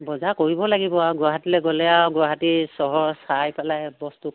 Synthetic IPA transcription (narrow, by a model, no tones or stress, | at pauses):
bɔzakoɹibɔlaɡibɔaɡwaɦatilɛɡɔlɛjawɡʊwaɦatisɔɦɔɹsajpalajbɔstu